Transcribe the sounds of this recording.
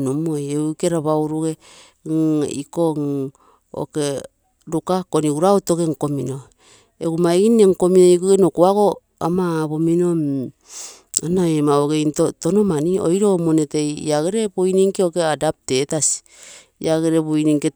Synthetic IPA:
numojeuke̞ɾaβawɾuɡe̞ | ŋikoŋ | o̰ke̞ | ɾukakoniɡuɾaotoɡe̞ŋko̞mino̞ | eɡumaineŋko̞minoikoɡenokuaɡo | a̰maːβo̞minom | anaemaoɡe̞jntotonomanio̰jɾo̞monete̞j̰aɡeɾebojniŋkeoke̞adap̚te̞tasi̥ | iaɡeɾeβuiniŋke

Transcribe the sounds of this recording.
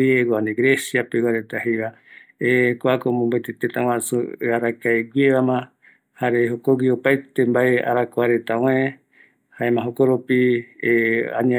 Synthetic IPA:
eɡoand̪eɡɾesjapewaɾet̪ahejβa | ekʷakomõmbet̪et̪et̪ãw̃ãsuaɾakaeɡʷieβamã | haɾeɦokoɡiopajt̪embaea̰ɾakaɾet̪aw̃ẽ | haemãɦokoɾopi | a̰ɲa

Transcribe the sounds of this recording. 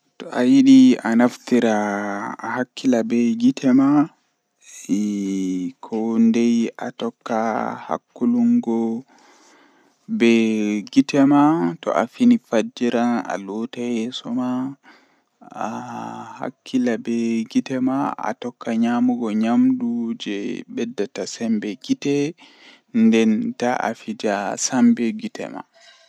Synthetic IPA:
tɔʔajiɗianaftiɾa | hakʰːilabɛɡitʰɛma | ɛ | kʰɔndɛja̰tɔkːaha̰kːuluŋɡɔ | bɛɡitɛmatɔ̰ʔa̰finifad͡ʒiɾana̰lɔtajɛsɔma | aha̰kʰːilabɛɡitɛmaa̰tɔkːaɲamuɡɔɲamɗud͡ʒɛ̰ɓɛdːatasɛmbɛɡitɛ | ndɛntaʔa̰fid͡ʒasambɛɡitɛ̰ma̰

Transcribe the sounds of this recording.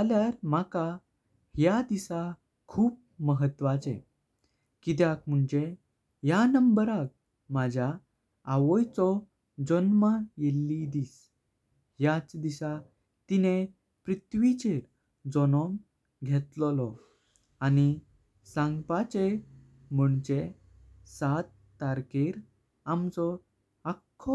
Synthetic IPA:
aljaɾmaka | hjad̪isa | kʰuːp̚ | məɦət̪ʋat͡sḛ | kit̪̬jak̚m̤uɳd͡ʑe | ɦjanəmbəɾak̚ | mad͡ʑʱjaː | ʋɔjt͡sɔ | d͡zɔnmajelːid̪iːs | ɦjat͡sd̪iɕa | t̪ine | pɾit̪ʋit͡ɕeɾ | d͡zɔnɔ̃ŋ | ɡʱɛt̪lɔlɔ | ani | sãŋɡpat͡ɕe | m̤əɳd͡ʑe | sat̪ːaɾkeɾ | amt͡sɔ | akʰːɔ

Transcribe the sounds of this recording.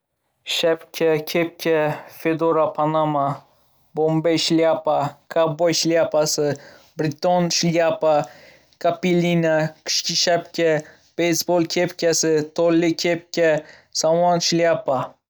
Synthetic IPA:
ʃapkʲʰɛkʲʰep̚kʲʰɛfed̪oɾapʰanama | bombejʃljapakʰabojʃliapasɨbɾɪt̪onʃljapa | kʰapilʲinakʲʰɨ̥ʃkʲʰɪʃapkʲʰɛ | b̥ejsbolˠkʲʰepkʲasɪt̪ʰolːɪkʲʰep̚kʲɛ | sawanʃliapa

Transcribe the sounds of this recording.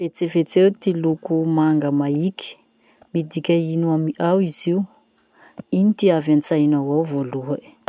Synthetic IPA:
vet͡sevet͡sewt̪ilukumaŋɡəmaiki̥ | mid̪ikʲainuamiʔawiziu | init̪iavant͡sajnawawvoluḁ

